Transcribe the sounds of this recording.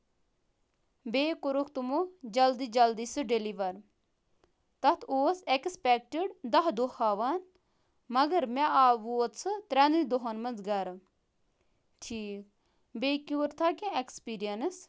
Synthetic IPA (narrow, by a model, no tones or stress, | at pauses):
beːkuɾukʰt̪umod͡ʒɐld̪id͡ʒɐld̪isɨɖeliʋɐɾ | t̪ɐt̪ʰoːsekspɛk̚ʈiɖd̪ɐɦd̪ohaʋan | mɐɡɐɾmɛaːʋut̪sɨt̪ɾɛniid̪oɦɐnmɐnzɡɐɾ | ʈʰiːk̚ | beːkuɾt̪ʰakẽekspiːɾijɐns